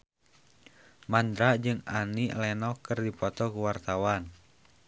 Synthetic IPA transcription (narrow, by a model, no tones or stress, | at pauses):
mand̪ɾad͡ʒɨŋanilɛnɔkɨrdipɔt̪ɔkuwart̪awan